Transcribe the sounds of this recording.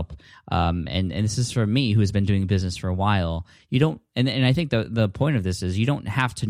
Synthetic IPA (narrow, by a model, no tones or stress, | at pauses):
p | ʔʌ̰̃mɨ̰̃nɨ̰̃nðɪsɨz̥fə˞miɦʉɨzbɨ̃ndʉɪ̃ŋbɪznɨsfə˞əwaɪlˠ | jɨɾõʊ̃nt̚ɨ̃nɨ̃naɪθɪ̃ŋk̚ðɨðəpʰɔ̃ɪ̃ɾ̃ʌvðɪsɨzjɨɾõʊ̃nʔ̚hæftʰɨ